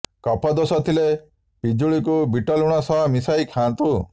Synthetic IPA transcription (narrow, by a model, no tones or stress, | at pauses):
kɔpʰɔd̪osɔt̪ʰile | pid͡ʒuɭik̬ubiʈɔluɽ̃ɔsɔɦmisajkʰãnt̪u